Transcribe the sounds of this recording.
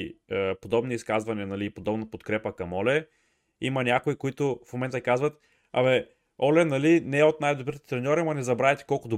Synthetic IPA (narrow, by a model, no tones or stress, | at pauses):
əpod̪ɔbniiskazvɐnʲiɐnɐliːpod̪ɔbnɐpot̪kɾɛpəkɐmɔlɛ | imɐnʲakoikoit̪ʊfmomɛnt̪əkazvɐt̪ | ɐ̰vɛ | ɔlɛnɐlinɛɛot̪̚najd̪obɾit̪ɛ̥t̪ɾɛnʲɔɾiɐmɐnɛzɐbɾavɛt̪ɛ̥kɔlˠkʊd̪o